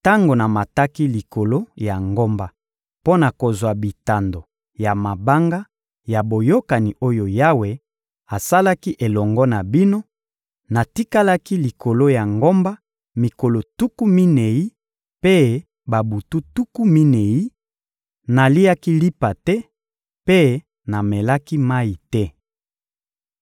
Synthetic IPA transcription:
ta˦ŋɡo˨na˨ma˨ta˦ki˦li˨ko˨lo˦ja˨ŋɡo˦mba˨ | po˦na˨ko˨zwa˨bi˨ta˨ndo˨ | ja˨ma˨ba˦ŋɡa˦ | ja˨bo˨jo˦ka˨ni˨ʔo˦jo˨ja˦we˨ | a˨sa˦la˦ki˦ʔe˨lɔ˨ŋɡɔ˦na˨bi˦no˦ | na˨ti˦ka˦la˦ki˦li˨kʰo˨lo˦ja˨ŋɡo˦mba˦ | mi˨ko˨lo˨tu˦ku˦mi˦ne˨ji˦ | pe˦ | ba˨bu˨tu˦tu˦ku˦mi˦ne˨ji˦ | na˨li˦a˦ki˦li˦pa˨tɛ˦ | pe˦ | na˨mɛ˨la˦ki˦ma˦i˨tɛ˦

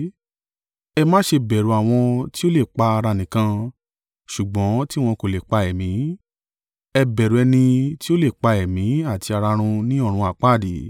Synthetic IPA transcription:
ɛ˧mãː˦ʃe˧bɛ˨ɾu˨˦a˨w̃ɔ̃˧ti˦o˦le˦˨k͡pa˧a˧ɾa˧nĩ˨kã˧ | ʃu˨ɡ͡bɔ̃˨˦ti˦w̃ɔ̃˧ko˨le˨k͡pa˧ɛ˨mĩ˨˦ | ɛ˧bɛ˨ɾu˨ɛ˧nĩ˧ti˦o˦le˦˨k͡pa˧ɛ˨mĩ˨˦a˦˨ti˧a˧ɾa˧ɾ̃ũ˧nĩ˦ɔ˦˨ɾ̃ũ˧a˨k͡pa˦˨di˨˦

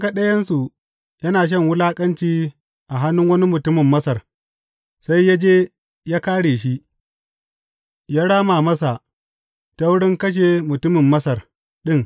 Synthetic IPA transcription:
ka˦˨ɗɐ˦jɐ˦nsu˨ | jɐ˦naː˨ʃ̬ɐ˦˨ŋwʊ˦laː˦kʼɐ˦nt͡ʃiː˦ | ʔa˨ɦa˦nːʊ˦ŋwɐ˦ni˦mʊ˨tʊ˦mɪ˨mːɐ˦sɐ˨r | sa˦jːa˦d͡ʒeː˦ | jaː˦kaː˦ɽeː˨ʃi˦ | jaː˦ɽaː˦maː˨mɐ˦sa˨ | ta˦wʊ˦ɽɪ˦ŋkɐ˦ʃ̬eː˨mʊ˨tʊ˦mɪ˨mːɐ˦sɐ˨r | ɗɪ˦˨ŋ

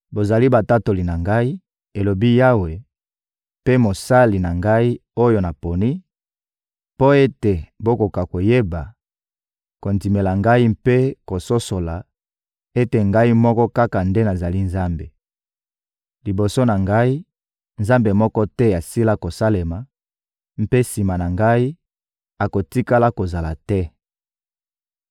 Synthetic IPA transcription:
bo˨za˨li˦ba˨ta˦to˨li˨na˨ŋɡa˦i˦ | e˨lo˨bi˦ja˦we˨ | pe˦mo˨sa˦li˨na˨ŋɡa˦i˦o˦jo˦na˨po˨ni˦ | po˦e˦te˨bo˦ko˨ka˨ko˨je˦ba˨ | ko˨ndi˨me˨la˨ŋɡa˦i˦mpe˦ko˨so˦so˨la˨ | e˦te˨ŋɡa˦i˦mɔ˦kɔ˦ka˦ka˨nde˦na˨za˨li˦nza˦mbe˨ | li˨bo˨so˦na˨ŋɡa˦i˦ | nza˦mbe˨mɔ˦kɔ˦tɛ˦a˨si˦la˦ko˨sa˦le˨ma˨ | m̩˦pe˦si˨ma˨na˨ŋɡa˦i˦ | a˨ko˨ti˦ka˦la˦ko˨za˨la˨tɛ˦

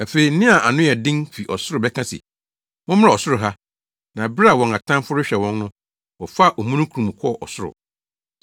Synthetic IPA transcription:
æ˨fe˨i˨n̩˦ɪ̃˦a˨ʔa˨nʊ̃˦ɛ˨dɪ̃˦nfi˨ʔɔ˨sʊ˦ɾʊ˨bɛ˦kʰã˦sḭ˨ | mʊ̃˦m˦a˨ɔ˨sʊ˦ɾʊ˨ɦa˦ | nã˨bɪ˦ɾa˦˨wɔ̃˨ŋa˨tʰã˦m˦fʊ˦ɾʊ˦ɕᶣɛ˨wɔ̃˦nnʊ̃˦ | wɔ˨fa˦˨ʔɔ˨mũ˦nũ˦kʰu˨ɾũ˨m˨kʰɔ˦˨ʔɔ˨sʊ˦ɾʊ̰˨

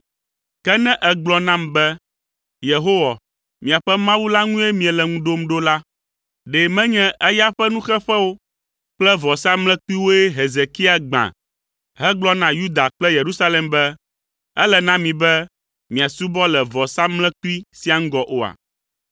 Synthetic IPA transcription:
kɛ˦nɛ̃˦ʔɛ˦ɡ͡blɔ˨˦nã˦mbɛ˦ | je˨ɦo˦wa˨ | mĩ˨a˨ɸɛ˦mã˦wu˦la˦ŋũ˦e˦mĩ˨ɛ˨lɛ˨ŋũ˦ɖo˦mɖo˦la˦ | ɖɛ˨mɛ̃˦ɲɛ̃˦ʔɛ˦ja˦ɸɛ˦nũ˦xɛ˦ɸɛ˦wo˦ | k͡plɛ˦vɔ˨sa˦mlɛ̃˦ki˦wo˦ɛ˦ɦe˨ze˨ki˦a˨ɡ͡bã̰˨ | ɦɛ˦ɡ͡blɔ˦nã˦ju˦d̪a˨k͡plɛ˦je˨ɾu˦sa˦lɛ˨mbɛ˦ | ɛ̰˦lɛ˨nã˦mĩ˨bɛ˦ | mĩ˨a˨su˦bɔ˦lɛ˨vɔ˨sa˦mlɛ̃˦ku˦i˦si˦a˨ŋ̩˦ɡɔ˨ʔo˦a̰˨

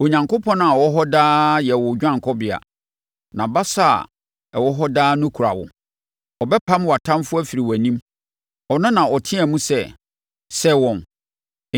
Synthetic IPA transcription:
o˨ɲã˨ŋkʰo˦pʰɔ̃˦n˦a˨wɔ˦ɦɔ˦daː˦jɛ˨wʊ˨d͡ʑᶣã˦˨ŋkʰɔ˦bɪ˨a̰˨ | nã˨ba˦sa̰˦˨ | ɛ˨wɔ˦ɦɔ˦daː˦nʊ̃˦kʰu˨ɾa̰˨wʊ̰˨ | ɔ˨bɛ˦pʰã˦mwa˨tʰã˦mfʊ˦æ˦fi˨ɾi˨wæ˨nĩ˦m | ɔ˨nʊ̃˦nã˨ɔ˨tʰɪ̃˦ɛ˨mũ˦sɛ˦˨ | sɛ˦wɔ̃˨n

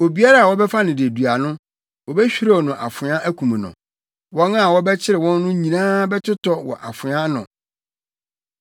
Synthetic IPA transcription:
o˨bi˦a˦ɾa˦a˨wɔ˦bɛ˦fa˦nɪ̃˨dɪ˨æ˨du˨a˨nʊ̃˦ | wɔ˨bɛ˦ɕᶣi˦ɾa˦˨nʊ̃˨ʔa̰˨fʊ˨˦ã˦ʔæ˦kʰũ˨mũ˨nʊ̰̃˨ | wɔ̃˦nã˦˨wɔ˦bɛ˦t͡ɕʰɪ˦ɾɪ˨wɔ̃˦nː˦ʊ̃˦ɲĩ˨nãː˦bɛ˦tʰʊ˦tɔ˦wɔ̰˨ʔa˨fʊ˨˦ã˦nʊ̰̃˨

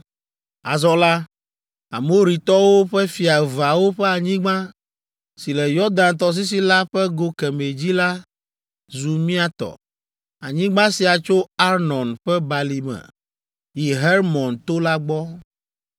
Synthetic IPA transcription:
a˨zɔ˦la˦ | a̰˨mo˦ɾi˨t̪ɔ˦wo˦ɸɛ˦fi˨a˨va˨wo˦ɸɛ˦a˨ɲĩ˦ɡ͡bã˦ | si˨lɛ˨jɔ˦d̪ã˨nt̪̬ɔ˦s̬i˦s̬i˦la˦ɸɛ˦ɡo˦kɛ˨me˨d͡ʑi˦la˦ | zu˨mĩ˦a˨t̪ɔ̰˨ | a˨ɲĩ˦ɡ͡bã˦si˨a˨t͡ʃo˦a˦ɾnɔ̃˨nɸɛ˦ba˨li˨mɛ̰̃˨ | ji˨ɦɛ˦ɾmɔ̃˨nt̪o˦la˦ɡ͡bɔ˦

